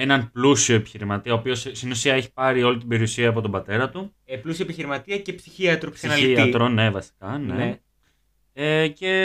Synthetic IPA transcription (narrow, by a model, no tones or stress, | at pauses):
enɐnplusio̞epi̥çiɾimɐt̪iɐopio̞sst̪inusiɐe̞çi̥pɐɾio̞lit̪̬ibe̞ɾiusiɐːp̬o̞t̪o̞bɐt̪e̞ɾɐt̪u | plusioepiçiɾimɐt̪iɐcepsi̥çiɐt̪ɾossinɐliɐit̪ɾone̞vɐsi̥kɐne | ece̞